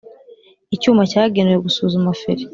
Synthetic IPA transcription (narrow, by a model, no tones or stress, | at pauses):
icuːmacaːɡe̞neweɡusuːzumafeɾe